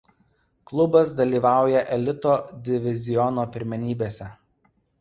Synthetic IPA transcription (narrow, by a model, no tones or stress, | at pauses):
klˠʊbɐsd̪ɐlʲiːʋɑˑʊjɛʔɛlʲɪt̪oːd̪ʲɪʋʲɪzʲɪjɔnoːpʲɪɾʲmʲɛnʲiːbʲeːsʲɛ